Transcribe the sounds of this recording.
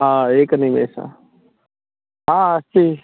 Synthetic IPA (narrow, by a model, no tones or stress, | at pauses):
ɦãːeːknĩmḛːsã̰ | ɦãːət͡ʃʰiː